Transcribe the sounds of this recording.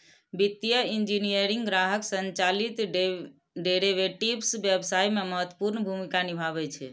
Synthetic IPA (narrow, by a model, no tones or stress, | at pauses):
bit̪ːijəind͡ʒinijəɾiŋɡɡɾaɦəksənt͡ʃalit̪ɖ | ɖeɾeʋeʈibsbjebsaimeməɦət̪wə̥puɾnəbʱumikanibʱaβɛt͡ʃʰɛ̰